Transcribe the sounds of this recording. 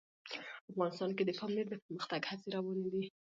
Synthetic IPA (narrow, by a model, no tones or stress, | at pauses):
afɣɑnɪst̪ɑnked̪əpɑmleɾd̪əpəɾməxt̪aɡhat͡seɾɑwɑned̪i